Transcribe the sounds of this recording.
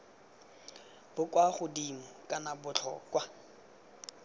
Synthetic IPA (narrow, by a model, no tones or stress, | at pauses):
b̥ʊkʼwaχʊdim̩kʼanabʊt͡ɬʰɔ̰kʼwa